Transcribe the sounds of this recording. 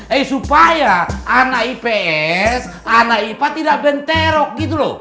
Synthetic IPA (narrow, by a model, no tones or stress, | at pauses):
ɛisupajaːnaipɛɛs | anaipat̪idaʔbɛnt̪ɛɾɔk̚ɡit̪̬ulo̰